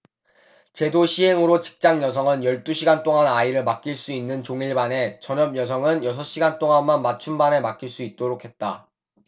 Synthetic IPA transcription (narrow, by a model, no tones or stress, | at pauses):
t͡ɕe̞doɕʰiɦe̞ŋɯɾot͡ɕi̥k̚t͡ɕ͈aŋjʌsʰʌŋɯnjʌɭt͈uɕʰiɡant͈oŋanaiɾɯɭmak̚k͈iɭs͈uinːɯnt͡ɕoŋiɭbane̞t͡ɕʌɲʌb̚jʌs̬ʰʌŋɯnjʌsʰʌɕ͈iɡant͈oŋanmanmat͡ɕʰumbane̞mak͈̚iɭs͈uit̚t͈oɾokʰe̞t̚t͈a